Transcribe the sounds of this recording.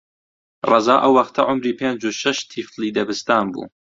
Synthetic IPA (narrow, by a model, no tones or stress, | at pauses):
rˤɑzɑːʔɐwːɐxt̪ʰɐʕʊmɾiːpʰeːnd͡ʒuʃɐʃt̪ʰifliːd̪ɐbɨst̪aːnbṵː